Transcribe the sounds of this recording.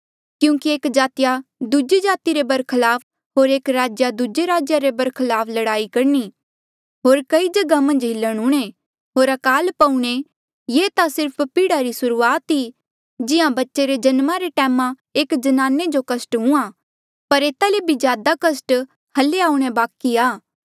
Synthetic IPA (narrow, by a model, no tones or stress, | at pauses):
kjũːkieːkd͡ʒaːt̪ɪjad̪ud͡ʒid͡ʒaːt̪iɾebɐɾkʰəlaːp̚ʰ | ɦoːɾeːkɾaːd͡ʒjad̪ud͡ʒeɾaːd͡ʒjaɾebɐɾkʰɐlaːpʰlɐɽaːikɐɾni | ɦoːɾkɐid͡ʒɐɡamɐ̃nd͡ʒɦɪlːəɽ̃ʊɽ̃e | ɦoːɾɐkaːlpɐũɽ̃e | jeːt̪asɪɾpʰpɪɽaɾisʊɾuːaːt̪ɦi | d͡ʒɪãbɐtːʃeɾed͡ʒɐnmãɾeʈɛːmã | eːkd͡ʒɐnaːned͡ʒokɐsʈɦʊ̃ã | pɐɾeːt̪alebʱid͡ʒjaːd̪akɐsʈ | hɐlːeaːuɽ̃ebaːkiaː